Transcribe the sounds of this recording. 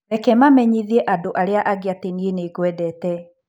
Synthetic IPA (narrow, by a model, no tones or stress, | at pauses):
ɛkɛmamɛɲiðiɛʔadoʔaɾeaʔaɣeatenieneɡwɛdɛtɛ